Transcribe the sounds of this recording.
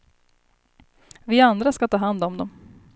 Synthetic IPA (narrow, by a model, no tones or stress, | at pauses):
vɪand̪ɾaskat̪ʰɑːɦand̪ɔmd̪ɔm